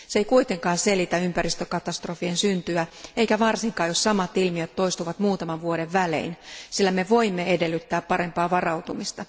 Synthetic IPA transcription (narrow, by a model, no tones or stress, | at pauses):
seikuit̪e̞ŋkɑːnse̞lit̪æympærist̪økɑt̪ɑst̪rofiensynt̪yæeikæʋɑrsiŋkɑːjossɑmɑt̪ilmiøt̪to̞ist̪uʋɑt̪muːt̪ɑmɑʋʋuodeʋʋælḛinsilːæme̞ʋo̞imːeedelːyt̪ːæːppɑɾe̞mpɑːʋɑrɑut̪umist̪ɑ